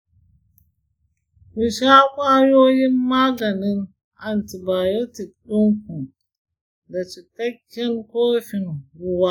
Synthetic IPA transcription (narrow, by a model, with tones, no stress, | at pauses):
wi˨ʃa˦kʷa˦jo˦ji˦ma˦ɮa˨ni˦n | a˨nti˨ba˨jo˦ti˨ɗu˦ŋku˨n | da˨t͡ʃi˨ta˦kʲːi˦nko˦ɾfi˨nɡu˨wa˦